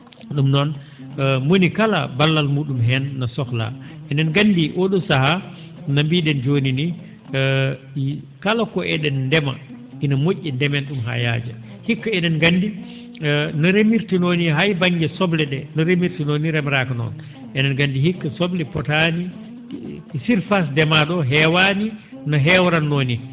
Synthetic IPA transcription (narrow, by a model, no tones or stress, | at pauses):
ɗumnɔn | monikala̰balːalmuːɗumɦɛnːasɔkla̰ʔɛnɛnɡandiʔoɗumsaha | nambiːɗɛnd͡ʒonini | kalakɔɛɗɛnndɛma̰ | ʔinamoʔːɛndɛmɛnɗumɦa̰ja̰ːd͡ʒa̰ | hikːaɛnɛnɡandi | nɔɾemiɾtinoniɦajbaŋɡɛsɔblɛɗɛnɔɾemiɾtinoniɾɛmɾakanɔ̰n | ʔɛnɛnɡandihikːasɔblɛpɔtani | siɾfas̬dɛmaɗɔɦɛwani | nɔɦɛwɾanːoːni